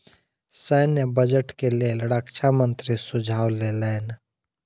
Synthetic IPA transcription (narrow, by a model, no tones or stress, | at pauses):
səːnjəbəd͡ʒəʈkeleːlɾaːkʃamə̃nt̪ɾisʊd͡ʒʱaːwleleːn